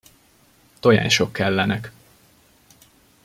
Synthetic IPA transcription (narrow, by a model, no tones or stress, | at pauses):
t̪o̞ja̰ːɲʃokʰːɛlːɛnɛk